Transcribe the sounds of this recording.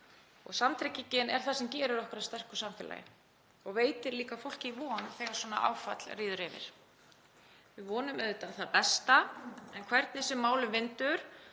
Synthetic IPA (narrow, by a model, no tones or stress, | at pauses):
ɔ̰ɣsamt̪ʰɾɪcːicɪnɛɾ̥θasɛmcɛːɾʏɾɔhkʏɾast̪ɛr̥kʏsamfɪːla̰jɪ̰ | ɔɣveːjt̪ɪɾliːkafowl̥cɪivɔːnθɛɣaɾ̥swɔːna̰ʔa̰ːwfat̪l̥riːðʏɾɪvɪ̰ɾ̥ | vɪðvɔːnʏmɛɾðʏt̪aθaðpɛst̪aɛnkʰvɛɾt̪nɪsɛmːaːwlʏmvɪnt̪ʏɾ̥